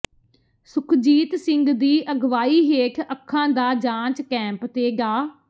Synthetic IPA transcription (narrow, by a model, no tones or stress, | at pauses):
sʊkʰd͡ʒiːt̪sɪ̃ŋɡd̪iːʔəɡʋaːiːɦeːkʰəkʰːãːd̪aːd͡ʒãːt͡ʃkɛ̃ːmpt̪eːɡaː